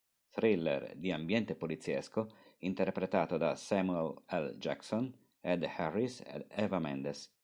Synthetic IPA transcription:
t̪ɾilːḛrd̪iambjɛnt̪epolit̪sːiɛskoint̪erpɾet̪aːt̪od̪asamuelɛld͡ʒa̰kson | ed̪hɛrːisḛd̪ɛvamɛnd̪es

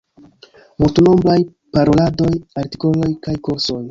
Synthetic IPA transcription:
multuno̞mblaj | paɾo̞lado̞jaɾti̥ko̞lo̞jkajkoɾso̞j

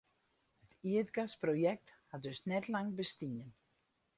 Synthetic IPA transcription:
ɛt̪it̪kaspɾowjɛk̚t̪hat̪ʏst̪nɛt̪laŋbɪst̪iɲɪn

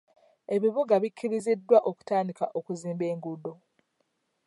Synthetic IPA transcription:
e̞βiβuɡaβikʰːiɾizidːwaʔoku̥taːndikaʔo̞kuziːmbe̞ːŋɡudo̞

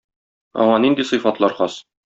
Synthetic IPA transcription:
ɒ̰ɴɑnind̪isɤ̆jfɑt̪lˠɑɾχɒs

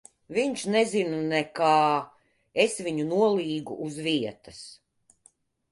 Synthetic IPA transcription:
viɲʃnɛzinunɛkaː | esvʲiɲunuɔlˠiːɡṵʔːzviɛt̪ɐs

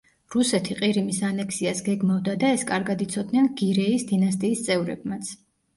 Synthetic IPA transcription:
ɾusɛt̪ʰiqʼiɾimisanɛkʰsiasɡɛɡmavd̪ad̪aɛskʼaɾɡad̪it̪sʰɔd̪nɛnɡiɾɛisd̪inast̪ʼiːst̪sʼɛvɾɛ̰b̚mat̪sʰ

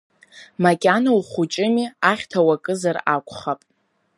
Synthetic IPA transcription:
makʲʼanawχʷut͡ʃʼɪmiaχʲtʰawakʼɨzarakʷʰʼχapʼ

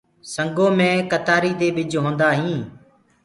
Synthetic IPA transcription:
səŋɡõːmẽːkət̪aːɾiːd̪eːɓɪd͡ʒʱɦõːnd̪aːɦĩː

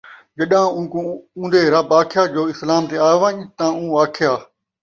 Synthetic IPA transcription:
d͡ʒəɗãːũːkũũːnd̪eːɾəbaːkʰjaːd͡ʒoːɪslaːmt̪eːaːoʋãːɲt̪ãːũːaːkʰɪjaː

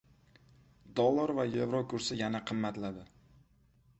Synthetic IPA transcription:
d̪ɒlˠːaɾvajevɾokʰʊɾsɪjanaqʰɨmːat̪lad̪ɪ

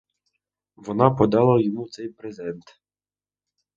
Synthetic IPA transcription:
ʋɔnɑpɔd̪ɑlˠɐjɔmut̪sɛjpɾezɛnt̪

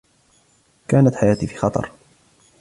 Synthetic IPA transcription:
kaːnat̪ħajaːt̪iːfi̥ːxɑt̪ˤɑ̰ɾˤ

